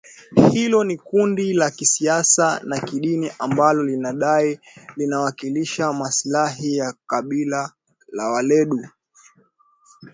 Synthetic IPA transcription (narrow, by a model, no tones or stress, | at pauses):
hilɔnikundilakisiasanakiɗiniʔambalɔlinaɗai | linawakiliʃamaslaɦijakaɓila | lawalɛɗu